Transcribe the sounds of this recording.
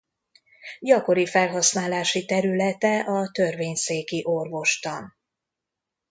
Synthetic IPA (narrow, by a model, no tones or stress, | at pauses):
ɟɒko̞ɾifɛlɦɒsnaːlaːʃit̪ɛɾylɛt̪ɛʔɒt̪ø̞rveːɲseːkiʔo̞rvo̞ʃt̪ɒn